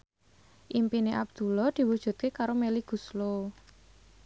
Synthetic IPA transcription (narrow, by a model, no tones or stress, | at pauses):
ʔimpineʔa̰b̚d̪̥ṳlɔd̪̥i̤wud̥ʒ̥ṳt̪̚kekaɾomeliɡ̥ṳslo